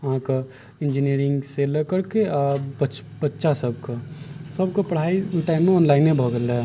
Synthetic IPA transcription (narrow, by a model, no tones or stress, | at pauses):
əɦãka | ɪ̃nd͡ʒiniɾɪŋɡseləkəɽkeabət͡ʃ | bətːʃasəb̚kasəbkopəɽ̤aiuʈaɪnmeɔːnlaɪnẽbʱɔɡelɛ